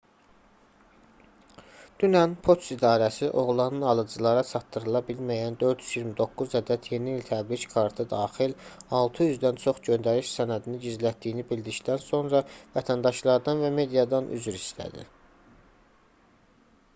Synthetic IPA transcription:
d̪̥ynænpʰo̞t̪sid̪ɑːɾæsiʔo̞ʁlˠɑnɯnɑlˠɯd͡ʒɯlˠɑɾɑt͡ʃʰɑt̪ːɯɾɯlˠɑbilmæjænd̪ø̞ɾd̪jyzjiɾmid̪o̞kːuzæd̪æt̪ʰje̞niːlt̪ʰæbɾickʰɑɾt̪ʰɯd̪ɑːxilɑlˠt̪ʰɯjyzd̪ænt͡ʃʰo̞χɟønd̪æɾiʃsænæd̪iniɟizlæt̪̚d̪ijːnibild̪icd̪ænso̞nɾɑvæt̪ʰænd̪ɑʃlˠɑɾd̪ɑnvæme̞d̪ijɑd̪ɑnʔy̰zyɾislæ̰d̪ḭ

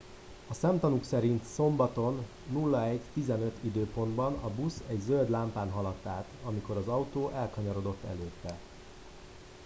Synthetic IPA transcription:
ɒsɛmt̪ɒnuksɛɾint̪so̞mbɒt̪o̞nː | ulːɒɛɟt̪izɛnø̞t̪id̪øːpo̞nd̪bɒnɒbusɛɟzøld̪laːmpaːnɦɒlɒt̪ːaːt̪ɒmiko̞ɾɒzɒwt̪oːʔɛlkɒɲɒɾo̞d̪o̞t̪ːɛ̰løːt̪ːɛ

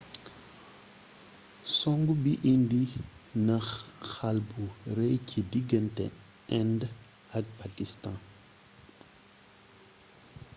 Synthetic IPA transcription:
sɔŋɡubiʔindinɐxxalbuɾɛjkʰidiɡəntɛ̰ | ɛnd | ɐk̚pakistã

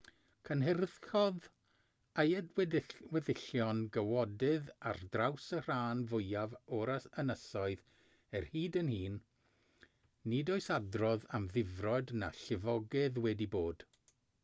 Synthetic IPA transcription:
kʰənɦɛrðxɔð | ajɛdwɛwɛðɪɬjɔnɡəwɔdɨðardrawsər̥aːnvʊjavɔɾasənəsɔɨð | ɛrhiːdənhiːn | ɪdoːɨsadrɔðamðɪvrɔdna̰ɬɪvɔɡɨðwɛdiboːd̥

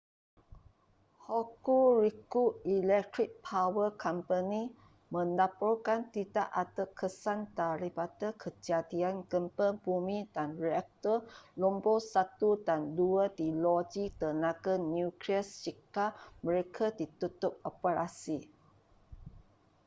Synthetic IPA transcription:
hokuɾikuilɛk̚t̪ɾik̚pʰawəkʰɔmpəni | mə̃nlapɔlkant̪ida̰ʔat̪əkʰəsant̪aɾibat̪əkʰəd͡ʒadianɡəmpəbumĩdanɹiak̚t̪ɔlɔmbosat̪udanduədilɔd͡ʒit̪ənaɡanjukɾiəst͡ʃikaməɾekʰadit̪ut̪ʊp̚ɔpəɾasi

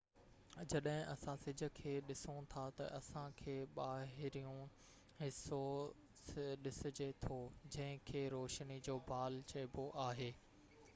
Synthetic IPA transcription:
d͡ʑɐɗɦɪ̃ʔɐsãsɪd͡ʑʱə̆kʰeːɗɪsõt̪ʰat̪ɐ̰ʔɐsãkʰeːɓaːɦɪɾijũ | ɦɪso | sɗɪsɪd͡ʑet̪ʰod͡ʑɐ̃ɦɪ̃kʰeːɾoːʃnid͡ʑoːbʱaːlt͡ɕɐɪboʔaːɦeː

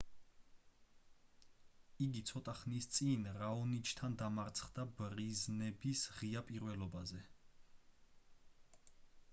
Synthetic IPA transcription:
iɡit̪sʰɔt̪ʼaχnist̪sʼinɾaɔnit͡ʃʰt̪ʰand̪amaɾt̪sʰχd̪abɾiznɛbisʁiapʼiɾvɛlɔbazɛ

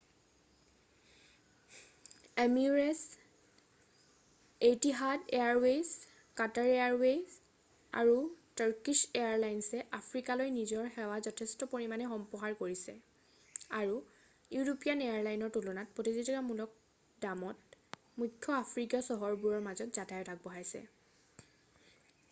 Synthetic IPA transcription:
emiɹɛs | ejtiɦadeaɹwes | kataɹeaɹwes | a̰ɹutaɹkiʃeaɹlajnsɛʔapʰɹikalojnizɔɹxɛwazɔtʰɛstɔpoɹimanɛxɔmpɔɦaɹkoɹisɛ̰ | aɹu | juɹopijanejaɹlajnɔɹtulɔnat̚pɹotizitɔkamulɔk̚ | damɔt | mukʰːjɔapʰɹikɔsɔɦɔɹbuɹɔɹmazɔtz̥atajɔtʰak̚bɔɦajsɛ̰

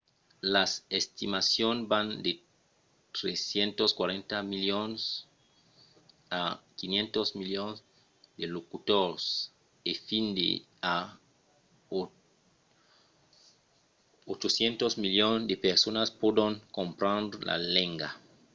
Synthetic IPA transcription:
lasest̪imasjonband̪e | t̪ɾesjent̪oskwaɾẽnt̪amiljons | akinjẽnt̪ozmiljons | d̪elokut̪oɾs | efind̪ḛ | a | ot͡ʃosjent̪ozmiljonsd̪epeɾsonaspwod̪oŋkõmpɾãnla̰leŋɡa̰

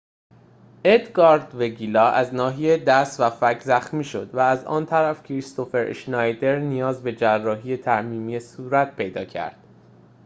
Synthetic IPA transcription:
ed̪ɡɒɾd̪veɡilɒːæznɒːɦijed̪æst̪væfæcʰzæxmiːʃo̞d̪̥væːzɒ̰ːnt̪ʰæɾæfcʰɾist̪o̞fe̞ɾḛʃnɒjd̪e̞ɾnijɒːzbe̞d͡ʒærːɒːɦiːjet̪ʰæʔmiːmijesuːɾæt̪̚ʰpʰe̞jd̪ɒːcʰæ̰ɾd̪̥

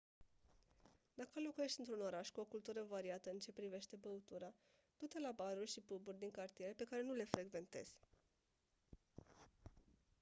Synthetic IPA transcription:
d̪akəlo̞kuje̞ʃt̪iɨnt̪ɾuno̞ɾaʃkuo̞kult̪uɾəvaɾiat̪əɨnt͡ʃe̞pɾive̞ʃt̪e̞bəut̪uɾa | d̪̥ut̪elabaɾurʲʃipuburʲd̪iŋkart̪ije̞ɾe̞pe̞kaɾe̞nule̞fɾe̞ɡve̞nt̪e̞̰z̥ʲ

